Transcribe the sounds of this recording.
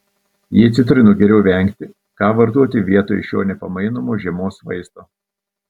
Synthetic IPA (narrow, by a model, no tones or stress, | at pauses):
jiːɐt̪ʲsʲɪt̪ʊɾʲɪnoːɡʲɛɾʲɛʊʋʲɛŋʲkt̪ʲɪ | kɑːʋɐɾt̪uɔt̪ʲɪʋʲiɛt̪oːjɪʃʲjo̰ːnʲɛpɐmɐɪnomoːʒʲiɛmoːsʋɐ̰ɪst̪oː